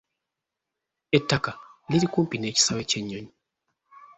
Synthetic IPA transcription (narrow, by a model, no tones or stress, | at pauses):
ɛtːakaliɾikumpinɛt͡ʃsawɛt͡ʃɛɲɔɲ